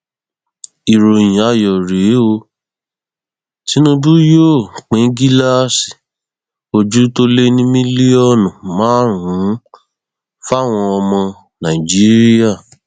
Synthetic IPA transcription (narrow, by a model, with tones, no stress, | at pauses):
i˨ɾo˨j̃ĩ˨a˨jɔ˨ɾe˨˦o˧ | ti˨˦nũ˦bu˦jo˦˨k͡pẽ˨˦ɡi˦la˦si˨ | o˧d͡ʒu˦to˦le˦nĩ˦mĩ˦li˦ɔ˦˨nũ˨mãː˨˦ɾũ˨˦ | fa˦˨w̃ɔ̃˧ɔ˧mɔ̃˧ | nã˨i˨d͡ʒi˦ɾi˦a˦˨